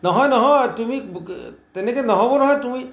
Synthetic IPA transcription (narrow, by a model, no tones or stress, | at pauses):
nɔɦɔjnɔɦɔt̪umit̪enekenɔɦɔbonɔɦɔjt̪umi